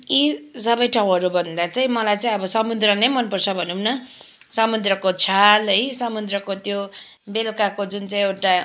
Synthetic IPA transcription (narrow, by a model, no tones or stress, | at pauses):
isʌbʌjʈʰaũɦʌɾubʱʌnd̪at͡saĩmʌlajt͡saĩʌbʌsʌmud̪rʌnejmʌnpʌrt͡sʰʌbʱʌnumnʌ | sʌmud̪rʌkot͡sʰalɦʌjsʌmud̪rʌkot̪jo | belkakod͡zunt͡saĩewʈa